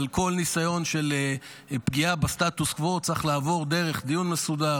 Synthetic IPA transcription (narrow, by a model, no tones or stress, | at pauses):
lko̞lnisajo̞nʃel | pɡiabast̪at̪uskvo̞t͡saχlaːvo̞ʁd̪e̞ʁe̞χd̪ijunmesud̪a